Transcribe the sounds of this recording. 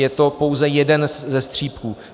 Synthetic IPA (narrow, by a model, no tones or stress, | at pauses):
jɛt̪o̞po̞wzɛjɛdɛnzɛst̪r̝̥iːpkuː